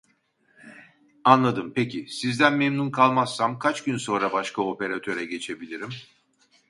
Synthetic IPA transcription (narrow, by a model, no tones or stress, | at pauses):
anlˠad̪ɯmpecʰisizd̪ænmemnunkʰalˠmasːamkʰat͡ʃɟynso̞nɾabaʃkʰao̞pe̞ɾat̪ʰø̞ɾɛɟe̞t͡ʃʰe̞bilʲiɾim